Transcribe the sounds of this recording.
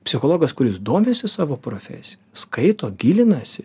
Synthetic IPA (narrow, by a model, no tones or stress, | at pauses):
pʲsʲɪxoːlˠoːɡɐskʊɾʲɪsd̪oːmʲeːsʲɪsɑːʋoːpɾoːfʲɛ̰sʲɪjskɐɪt̪oːɡʲiːlʲɪnɐsʲɪ